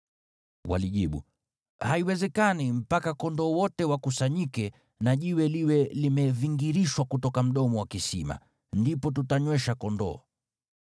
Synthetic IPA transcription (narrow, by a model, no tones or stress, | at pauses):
wa̰liʄiɓṵ | haiwɛzɛkanim̩pakakɔndɔːwɔtɛwakusaɲikɛ | naʄiwɛliwɛlimɛviŋɡiɾiʃwakutɔkam̩ɗɔmɔwakisima̰ | ndipɔt̬utaɲwɛʃakɔndɔ̰ː